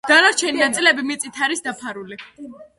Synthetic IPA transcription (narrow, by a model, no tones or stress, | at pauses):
ɡ̪̥anaɾt͡ʃʰɛninat̪sʼilɛbimit̪sʼit̪ʰaɾisd̪apʰaɾuli